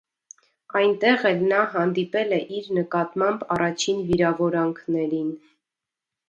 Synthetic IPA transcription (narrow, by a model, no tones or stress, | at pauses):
ɑjnt̪ɛʁɛlnɑɦɑnd̪ipɛlɛʔiɾnəkɑt̪mɑmbɑrɑt͡ʃʰinviɾɑvɔɾɑŋkʰnɛɾin